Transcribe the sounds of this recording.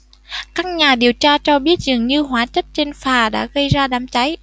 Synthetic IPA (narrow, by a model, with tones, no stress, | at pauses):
kaː˦˥k̚ɲaː˨˩ɗi˨˩əwt͡ɕaː˧t͡ɕɔ˧ɓi˦˥ət̚zɨ˨˩əŋɲɨ˧ɦwaː˧˩t͡ɕə˦˥p̚t͡ɕe˧nfaː˨˩ɗa̰ː˧˥ɣə˧jzaː˧ɗaː˧˩mt͡ɕa˨˦j